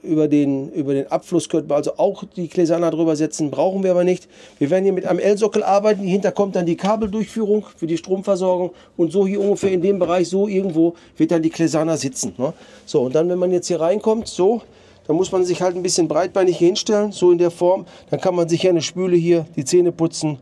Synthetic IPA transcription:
ʔyːbɐdeːnʔyːbɐdeːnʔapflʊskʰœpəʔalzoʔaʊxd̥iːkʰlezaːnadʁyːbɐzɛt͡sn̩bʁaʊxn̩viɐaːbɐnɪçtv̥iːɐveːɐdnhiːɐmɪtʔaɪnəmʔɛlzɔkl̩ʔaɐbaɪtn̩ihɪntɐkʰɔmt̚d̥andiːkʰaːbl̩dʊɐçfyːʁ̞ʊŋfyːɐdiːʃtʁ̥oːmfɛɐzɔɐɡʊŋ | ʔʊntz̥oːhiːɐʔʊŋɡəfeːɐɪndeːmbəʁaɪçz̥oːʔɪɐɡŋ̩tv̥oː | v̥ɪɐt̚d̥andiːkʰlezanazɪt͡sn̩nəz̥oːʊnt̚d̥anvɛnmanjɛt͡sthiːɐʁaɪnkʰɔmtz̥oː | d̥anmʊsmanzɪçhaltn̩bɪsçənbʁaɪt̚b̥aɪnɪçhɪnʃtɛlənzoːɪndeːɐfɔɐmd̥ankʰanmanzɪçanəʃpyːləɦiːɐd̥iːt͡seːnəpʊt͡sn̩

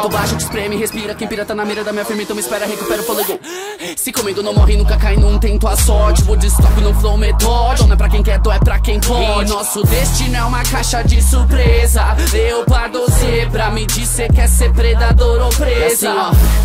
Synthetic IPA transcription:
t̪obaʃɐd͡ʒɪspɾẽmihespiɾɐkẽj̃piɾɐt̪anɐmiɾɐd̪ɐmĩɲɐfiɾmɐ̃ẽt̪ɐ̃mɪispɛɾɐɦekupɛɾʊfolẽd̪o | sɪkõmĩɡ̪onõw̃mɔɦĩnũkɐkaĩnʊũt̪ẽnt̪ʊasɔt͡ʃipʊd͡ʒist̪ɔpɪnʊ̃flõmet̪od̪̃ɛpɾɐkẽj̃kɛɾt̪õɛpɾɐkẽj̃ponɔsʊd̪est͡ʃĩnʊɛũmɐkajʃɐd͡ʒɪsuɾpɾezɐewpad̪osepɾɐmɪd͡ʒizekɪɛseɾpɾed̪ad̪oɾopɾezɐ

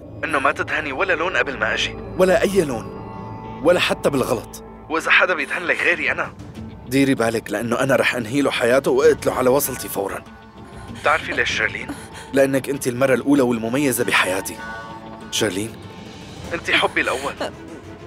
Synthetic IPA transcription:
ʔɪnːomat̪ɪd̪haniwalːaloːnʔabɪlmaʔaʒiwalːaʔajːaloːn | walːaħat̪ːabɪlɣɑlɑt̪ˤ | wʔɪzaħad̪abjɪd̪hanlakɣeːɾiʔanad̪iːɾibaːlɪklɪʔanːoʔanaɾˤɑːħʔanɦiːloħajaːt̪ʊwʔɪʔt̪loʕalawɑsˤɑlt̪ifawɾˤɑ̰n | t̪ɪʕɾfileːʃːaɣlḭːn | lɪʔanːakʔɪnt̪ilmɑrˤːɑlʔuːlawɪlmʊmajːazabɪħajaːt̪i | ʃaɣliːn | ʔɪnt̪iħʊbːilʔawːal

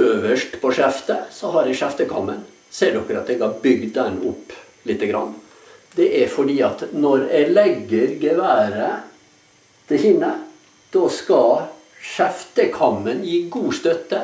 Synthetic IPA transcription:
øːʋəʂʈpʰɔʂæft̪əsɔɦɑɾɛʂæft̪əkʰɑ̰mːən | seːɖɔkːəɾɑt̪d̪ɛɡɑbʏɡd̪d̪ænːʊpː | lɪt̪ːəɡɾɑ̰nː | d̪ɛʔæɾfɔɖiːɑt̪nɔɾɛlɛɡːəɾɡəʋæːɾə | t̪ʰɪçɪnə | d̪̥ɔskɑ | ʃæft̪əkʰɑmːənjiːɡuːst̪œt̪ːə

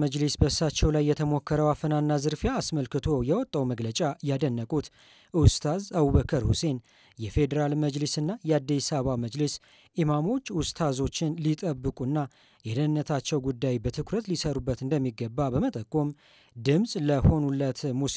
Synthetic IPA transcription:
məd͡ʒlisbəsat͡ʃːɛwlajːɛt̪ʰəmo̞kːəɾəwafənanːazɨɾfjaːsməlkɨt̪ʰo̞jɛwɔt̪ʼːəwməɡlət͡ʃʼajad̪ənːəkʼut̪ | ʔɨwst̪ʰazəwuβəkʰəɾhṵse̞n | jɛfe̞d̪əɾalməd͡ʒlisɨnːajɛad̪ːisaβaməd͡ʒləs | ʔimamo̞t͡ʃːɨwst̪ʰazo̞t͡ʃːɪnlit̪ʼəbːɨkʼuɨnːa | jɛd̪ənːət̪ʰat͡ʃːɛwɡud̪ːajbət̪ʰɨkʰɾət̪lisəɾubːət̪ɨnd̪əmːiɡəbːabəmət̪ʼəkʼːom | d̪ɨmsʼləho̞nulːət̪mus

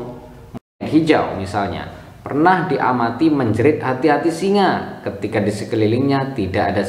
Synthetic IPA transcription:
m | t̪̚ɦid͡ʒa̰wmisalɲa̰ | pərnahdiʔa̰mat̪iməɲd͡ʒəɾɪt̪̚ɦat̪iɦat̪isiŋakət̪ikadisəkəlilɪŋɲat̪idaʔada

